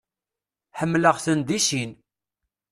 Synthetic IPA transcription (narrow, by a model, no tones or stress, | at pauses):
ħəmːləʁθənd̪iʃin